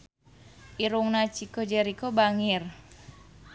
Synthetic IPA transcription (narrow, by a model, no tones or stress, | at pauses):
ʔiɾuŋnat͡ʃikod͡ʒɛɾikobaŋɪr